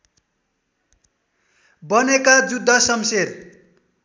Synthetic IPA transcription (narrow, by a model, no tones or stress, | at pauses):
bʌnekad͡zud̪ʱːʌsʌmseɾ